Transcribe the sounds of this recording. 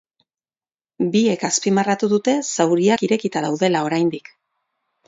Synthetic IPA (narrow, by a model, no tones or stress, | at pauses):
bie̞kaspimarat̪uðut̪e̞sawɾiakiɾe̞kit̪aðawðe̞lao̞ɾajnd̪ik